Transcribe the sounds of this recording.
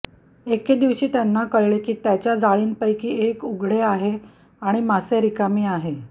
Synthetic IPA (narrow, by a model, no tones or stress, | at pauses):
eked̪iʋɕiːt̪janːakəɭɭekiːt̪jat͡ɕjad͡zaɭiːnpəjkiːekuɡɽeaɦe | aɽ̃imaseɾikamiːaɦe